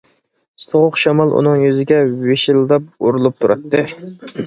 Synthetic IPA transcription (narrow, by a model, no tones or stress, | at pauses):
soʁʊqʃɑmɑlˠʔṵnɨŋjyzɪɡʲɛweʃɪlˠd̪ɑp̚uɾulˠup̚t̪ʰuɾɑt̪ʰːɨ